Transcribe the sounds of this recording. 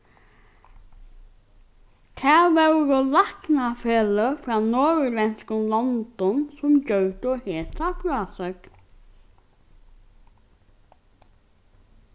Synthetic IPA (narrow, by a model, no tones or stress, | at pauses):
t̪ʰæːʋɛwɾɔlaknafeːləfɾaːnɔːɹʏlɛnskəlɔnd̪ɔnsʊmd͡ʒœt̪əɔheːsafɾaːsœk̪